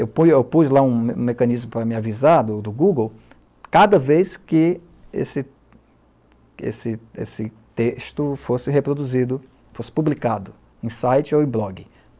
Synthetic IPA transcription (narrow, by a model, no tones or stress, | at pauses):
ewpujewpuzlaũmṵ̃mekɐ̃nizmʊpɾɐmɪavizaɾd̪ʊd̪ʊɡuɡow | kad̪ɐvejskɪ | ḛsɪ | ḛsɪḛsɪt̪eʃt̪ʊfosɪɦepɾod̪uzid̪ʊ | fosɪ̥publikad̪ʊ | ẽj̃sajt͡ʃɪoẽblɔɡɪ